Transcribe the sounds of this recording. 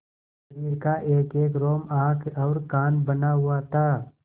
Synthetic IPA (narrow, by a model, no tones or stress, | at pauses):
ɾiːɾkaʔeːkeːkɾoːmãːkʰɔːɾkaːnbɐnaɦʊat̪ʰaː